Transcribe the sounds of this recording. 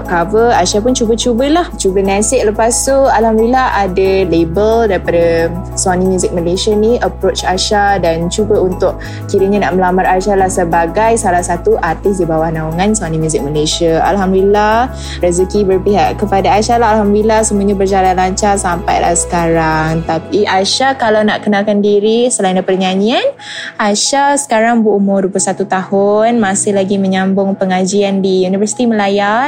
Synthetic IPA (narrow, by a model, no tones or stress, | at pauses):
ʔkavəaʃap̬ʊnt͡ʃubət͡ʃubəlaht͡ʃubənãsɪʔləpasualhamdilaɦadalebəldaɾipada | swanĩmjuzɪk̚məleʃaniʔəpɾot͡ʃaʃadant͡ʃubəunt̪ʊʔ | kiɾəɲanaʔməlamaraʃalahsəbaɡajsalahsat̪uʔart̪ɪs̬dibawahnãuŋansanĩmjuzɪk̚məleʃiaa̰lɦamdilah | rəzəkibərpiɦaʔkəpadaːʃalaɦalɦamdilahsəmuaɲabərd͡ʒalanlaɲt͡ʃarsampa̰jla̰hsə̥kaɾaŋt̪apiʔaʃakalawnaʔkənakandiɾisəlaindapərɲaɲian | ʔaʃasə̥kaɾaŋbuʔumʊrdupəsat̪ut̪ahʊnmasɪhlaɡimə̃ɲambʊŋpəŋad͡ʒiandijunivərsi̥t̪iməlaja